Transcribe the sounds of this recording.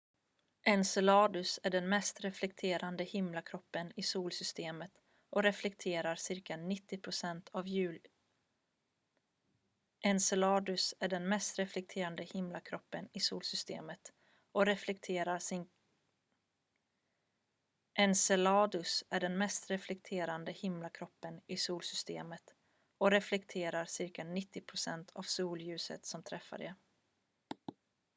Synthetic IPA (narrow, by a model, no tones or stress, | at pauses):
ʔɛnsɛlɑːd̪ɵsæɖɛnmɛst̪ɾɛflɛk̚t̪ʰeːɾʔand̪əhɪmlakʰɾɔpːənɪsuːlsʏst̪eːmət̪ | ʔɔɾɛflɛkt̪ʰeːɾaɾsɪɾkanɪt̪ːɪpʰɾʊsɛnt̪ʰavjʉ̟ːl | ʔɛnsɛlɑːd̪ɵsæɖɛnmɛst̪ɾɛflɛk̚t̪ʰeːɾand̪əhɪmlakʰɾɔpːənɪsuːlsʏst̪ḛːmət̪ | ɔɾɛflɛkt̪ʰːɾa | ʔɛnsɛlɑːd̪ɵsæɖɛnmɛst̪ɾɛflɛk̚t̪ʰeːɾand̪əhɪmlakʰɾɔpːənɪsuːlsʏst̪ḛːmət̪ | ɔɾɛflɛkt̪ʰeːɾaɾsɪɾkanɪt̪ːɪpʰɾʊsɛnt̪ʰa̰vsuːljʉ̟ːsə̰t̪sɔmt̪ʰɾɛfːa̰ɖɛ